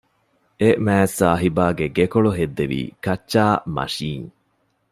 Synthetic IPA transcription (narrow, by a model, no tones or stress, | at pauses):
emæːsːaːɦibaːɡeɡekoɭoɦed̪ːeʋḭːkɐt͡ʃːʃaːmɐ̰ʃiːŋ